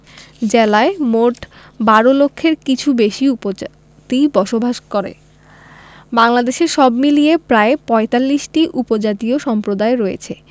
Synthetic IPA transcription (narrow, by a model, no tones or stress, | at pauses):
d͡ʑelaemoʈ | baɾolokʰːeɾkit͡ɕʰubeʃiupo | t̪ijbɔʃobʱaʃkoɾḛ | baŋlad̪eʃeɾʃɔbmiliepɾaepɔet̪alːiʃʈiʔupod͡ʑat̪ioʃɔmpɾod̪aeɾɔḛt͡ɕʰe